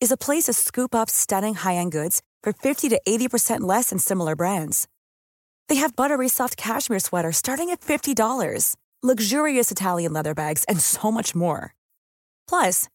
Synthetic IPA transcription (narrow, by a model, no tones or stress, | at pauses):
ɨzəpʰl̥eɪsʌv̥skʉpʌpstʌɾɪ̃ŋhaɪɨ̃nɡʊdz̥ | fə˞fɪftiɾɨʔeɪɾipʰə˞sɛ̃nʔlɛsɨ̃nsɪ̃ml̩ˠə˞bɹæ̃ndz̥ | ðeɪɨvbʌɾə˞isɑft̚kʰæʃmiɹswɛɾə˞stɑɹɾɪ̃ŋɨtfɪftidɔlˠə̰˞z̥ | lʌɡʒʊɹiɨsɨtʰælˠjɨ̃nlɛðə˞bæɡz̥ɨ̃nsoʊmʌt͡ʃmɔ̰ɹ | pʰl̥ʌs